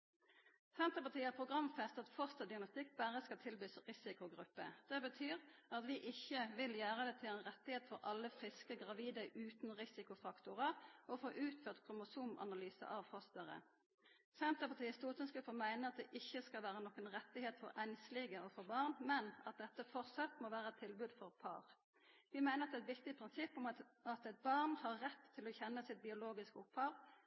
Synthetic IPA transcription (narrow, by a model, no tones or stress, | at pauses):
sɛnt̪əpɑʁt̪ʰiːəpʰʁʊɡʁɑmfɛst̪ɑt̪fɔst̪ɑd̪ɪɡnɑst̪ɪkːbæʁəskɑlt̪ʰɪlbyːsʁɪsɪkʊɡʁʉpːə̰d̪̥ɛbət̪ʰyːʁɑt̪ʋɪʔɪçːəʋɪljæːʁəd̪ɛt̪ʰɪlɛɪnʁɛt̪ːɪheːt̪fɔʁʔɑlːəfʁɪskəɡʁɑʋiːd̪əʉːt̪nʁɪsɪkʊfɑkt̪ʊʁəʁɔfoːʔʉːt̪føːʁt̪kʰʁʊmʊsuːmʔɑ̰nɑlyːsə̰ʔɑʋfɔst̪əʁə̰ | sæmt̪əpɑt̪ʰiːəst̪uːt̪ənskøːfəmæɪnəɑt̪̚d̪ɛʔɪçːəskɑlʋæːɾənɔkːənʁɛt̪ːɪheːt̪fɔɾænslɪɡəɔfɔʁbɑʁnmɛnɑt̪̚d̪ɛt̪ːəfɔʁsɑt̪moːʋæːʁəɛt̪ʰɪlbʉːd̪fɔʁpʰɑ̰ːʁ | ʋɪmæɪnəʁɑt̪ɛæɛt̪ʋɪkt̪ɪpʰʁɪnsɪpːʊmɑt̪ɛt̪̚bɑʁnhɑʁːɛt̪ʰːɪlɔçɛnːəsɪt̪̚bɪʊloːɡɪskəʊphɑːʋ